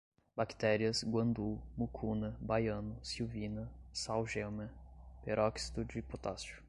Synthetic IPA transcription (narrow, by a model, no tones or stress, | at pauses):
bakt̪ɛɾiɐsɡwɐ̃nd̪umukʰunɐbajɐ̃nʊsiwvinɐsawʒemɐpeɾʔɔksi̥t̪ʊd͡ʒɪpot̪asʊ̥